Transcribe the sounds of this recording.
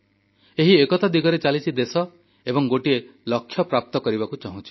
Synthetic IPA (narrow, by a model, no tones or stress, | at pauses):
eɦiekɔt̪ad̪iɡɔɾet͡ʃalit͡ʃʰid̪esɔ | ebɔŋɡoʈielɔkʰːjɔpɾap̚t̪ɔkɔɾibakut͡ʃaɦũt͡ʃʰi̥